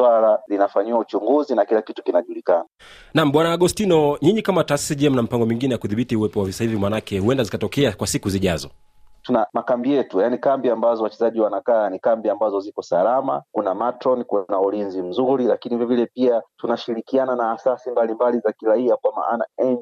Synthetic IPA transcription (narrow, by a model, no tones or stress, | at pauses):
walalinafaɲiwaut͡ʃuŋɡuzinakilakitu̥kinaʄulikana | nam̩ɓwanaːɠɔstinɔɲiɲikamataːsi̥siʄɛm̩nam̩ipaŋɡɔmiŋɡinɛjakuðiɓitiuwɛpɔwavisahivimanakɛhuɛndazikatɔkɛakwasikuziʄazɔ | tunamakambijɛtujanikambiambazɔwat͡ʃɛzaʄiwanakaːnikambiambazɔzikɔsalama̰kunamatɾɔnikunaulinzim̩zuɾilakinivɔvilɛpiatunaʃiɾikiananaːsasimbalimbalizakiɾaiakwama̰ʔana̰ɛɲ